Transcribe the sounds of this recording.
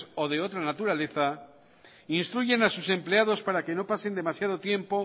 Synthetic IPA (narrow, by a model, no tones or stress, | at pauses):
oðe̞o̞t̪ɾanat̪uɾale̞θa | inst̪ɾuʝe̞nasuse̞mpleað̞o̞spaɾake̞no̞pase̞nd̪e̞masjað̞o̞t̪je̞mpo̞